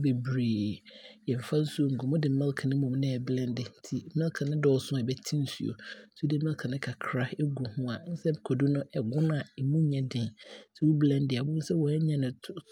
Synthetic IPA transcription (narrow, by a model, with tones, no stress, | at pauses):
be˨bɾi˨jɛ˨m̩˨fã˦n̩˦su˦o˦˨ŋ̩˨ɡo˨mʊ̃˦dɪ˨˦mɛ˦lkʰã˨nɪ̃˦mʊ̃˨m˦nɪ̃˦ɛ˨blɛ̃˦ndɪ˨n˦tʰi˨˦mɛ˦lkʰã˨nɪ̃˦dɔ˦˨sʊ̃˦a˨ɛ˨bɛ˦tʰĩ˦n̩˦su˨o̰˨˦so˦dɪ˦mɛ̃˦lkʰa˨nɪ̃˦kʰa˨kʰɾa˦ɛ˦ɡu˨hʊ̃˦a˨˦n̩˦sɛ˦˨kʰɔ˨du˦nʊ̃˦ɛ˨ɡʊ̃˦n˦a˨ɛ˨mũ˦ɲɛ̃˦dɪ̃˨n˦sɛ˦wu˦blɛ̃˦ndɪ˨a˨bʊ̃˦n̩˦sɛ˦wɔ˨ɛ˦ɲã˦nɪ̃˨